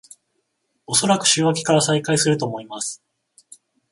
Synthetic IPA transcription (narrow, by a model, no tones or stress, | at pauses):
o̞so̞ɾakɯ̟̥ɕɨːβakʲi̥kaɾasaikaisɨɾɯ̟t̪o̞ːmo̞imasɨ̥